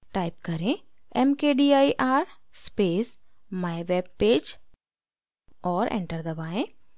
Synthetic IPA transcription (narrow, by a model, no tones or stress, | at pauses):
ʈaːɪp̚kɐɾẽɛmkeːɖiaːiʔaːɾspeːsmaːjʋeːb̚peːd͡ʒ | ɔːɾʔḛ̃ɳʈəɾd̪ɐbaːẽː